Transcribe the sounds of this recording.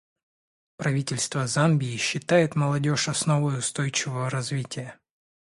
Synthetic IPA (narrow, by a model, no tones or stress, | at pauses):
pɾɐvʲitʲɪlʲst̪vəzambʲɪːɕːɪt̪ajɪt̪məlˠɐdʲo̞ʂɐsno̞vəjʊst̪o̞jt͡ɕɪvəvəɾɐzvʲitʲɪjə